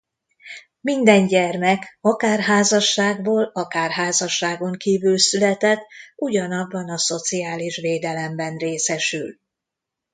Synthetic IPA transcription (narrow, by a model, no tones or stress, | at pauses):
mind̪ɛɲɟɛrmɛkɒkaːrɦaːzɒʃːaːɡboːlɒkaːrɦaːzɒʃːaːɡo̞ŋkiːvylsylɛt̪ɛt̪ːuɟɒnɒbːɒnɒso̞t̪sijaːliʃʋeːd̪ɛlɛmbɛnreːsɛʃyl